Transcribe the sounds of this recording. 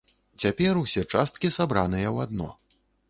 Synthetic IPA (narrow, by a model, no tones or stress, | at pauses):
t͡sʲapʲɛrusʲɛt͡ʂast̪kʲisabɾanɨjɐwad̪nɔ̰